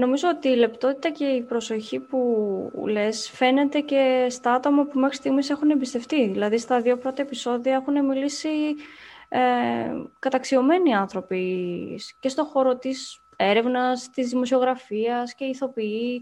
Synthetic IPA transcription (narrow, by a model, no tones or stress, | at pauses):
no̞mizo̞ot̪iːle̞pt̪o̞t̪i̥t̪ɐce̞ipɾo̞so̞çipule̞sfe̞ne̞t̪e̞ce̞st̪ɐɐt̪o̞mɐpume̞xɾist̪iɣmise̞xune̞mbist̪e̞ft̪iðilɐðist̪ɐðio̞pɾo̞t̪ɐe̞piso̞ðioe̞xune̞milisi | e | kɐt̪ɐksio̞me̞niɐnθɾo̞pisce̞st̪o̞xo̞ɾo̞t̪is | e̞ɾe̞vnɐst̪izðimo̞sio̞ɣɾɐfiɐsce̞iθo̞pii